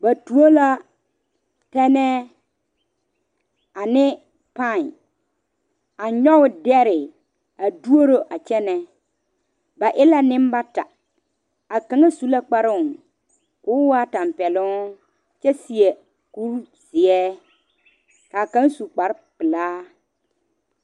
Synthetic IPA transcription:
ba˨tu˨o˦la˦ | tɛ˦nɛ˦ | a˨nɪ˦ | pã˦˨ | a˨ɲɔ˦wʊ˨dɛ˦ɾɪ˨ | a˨du˦o˦ɾo˦ʔa˨t͡ʃɛ˦nɛ˦ | ba˨ʔɪ˦la˦nɪ̃˦m˦ba˦ta˨ | a˨ka˨ŋa˦su˨la˦k͡pa˦ɾʊ˦˨ŋ | kʊ˨˦wa˦ta˨m˨pɛ˨lʊ˦ | t͡ʃɛ˦si˨ɛ˨ | ku˦ɾ | z̥ɪ˨ɛː˦ | ka˨kã˦ŋ˦su˨k͡pa˨ɾɪ˦pɪ˨laː˦

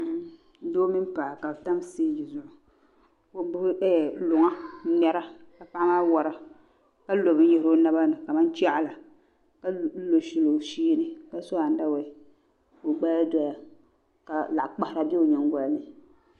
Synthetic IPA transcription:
doː˦mi˦m˦pa˨ka˨ta˦m˦seː˦d͡ʒi˨zʊ˦ʔʊ˨ | o˦bʊ˦ɛ˦˨lʊ˨ŋa˦nɛ˦ɾa˦ka˨pa˦ʔmaː˦wa˨ɾa˦ | ka˦lo˨bɨ˦ɲɛ˦˨ɾo˦na˦ba˦nɨ˨ka˨ma˦n˦t͡ʃa˦ʔa˦la˨ | ka˦lo˨ʃi˨lo˨ʃiː˦nɨ˦ka˦sɔ˦a˨n˦da˦wɛ˨˦ | o˨ɡ͡ba˦ja˦dɔ˦ja˨ | ka˨la˨ʔk͡pa˨hɪ˨ɾa˨bi˦o˨ɲɛ˨ŋ˦ɡɔ˨lnɨ˨

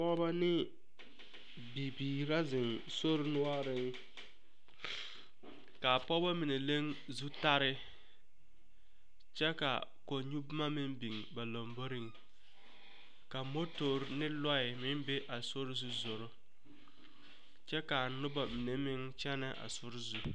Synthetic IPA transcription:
pɔ˦ba˦nɪ˦ | bi˨biː˨ɾa˦zɪ˨n | so˦ɾɪ˦nʊ˦a˦ɾɪ˦ŋ˦ | ka˨pɔ˦ba˦mi˨ne˨le˦ŋ | zu˦ta˦ɾɪ˦ | t͡ʃɛ˦ka̰˨ | ko˨ɲu˦bma˦mɪ˦mbi˨ŋ˨ba˨lo˨mbo˦ɾɪ˦ŋ˨ | ka˨mo˦to˨ɾnɪ˦lɔ˦ɪ˨mɪ˦m˦be˦ʔa˨so˦ɾzu˦zo˨ɾʊ˦ | t͡ʃɛ˦ka˨nʊ˦ba˨mi˨ne˨mɪ˦ŋt͡ʃɛ˦nɪ˦ʔa̰˨sʊ˦ɾzu˨

